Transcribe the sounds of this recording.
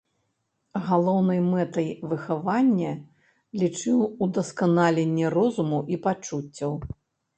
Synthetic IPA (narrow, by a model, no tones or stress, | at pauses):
ɣalˠɔwnɐjmɛt̪ɐjvɨxavanʲːɐ | lʲit͡ʂɨwud̪ɐskanalʲenʲːɛrɔzumuʔipat͡ʂut͡sʲːɐw